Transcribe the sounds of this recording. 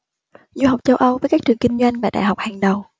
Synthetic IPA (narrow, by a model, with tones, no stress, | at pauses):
zu˧ɦa˨˩wk͡p̚t͡ɕə˧wʔə˧wvəː˨˦jkaː˦˥k̚t͡ɕɨ˨˩ŋki˧ŋ̟zwa˧jŋ̟vaː˨˩ɗa̰ː˧˨jha˨˩wk͡p̚haː˨˩ŋɗə˨˩w